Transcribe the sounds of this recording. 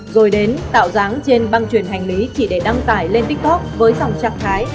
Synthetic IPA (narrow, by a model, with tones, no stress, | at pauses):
zo˨˩jɗe˨˦nt̪a̰ː˧˨wzaː˨˦ŋt͡ɕe˧nɓa˧ŋt͡ɕwi˨˩ənɦa˨˩jŋ̟li˨˦t͡ɕi˧˩ɗe˧˩ɗa˧ŋt̪aː˧˩jle˧nt̪i˦˥k̚t̪ɔ˦˥k̚vəː˨˦jza˨˩wŋ͡mt͡ɕaː˨˧˩ŋt̪ʰaː˨˦j